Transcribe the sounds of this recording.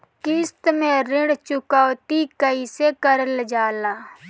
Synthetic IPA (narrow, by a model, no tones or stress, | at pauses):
kɪst̪mẽɾɪɽt͡ʃʊkaːwt̪ikəisekəɾəld͡ʒaːlaː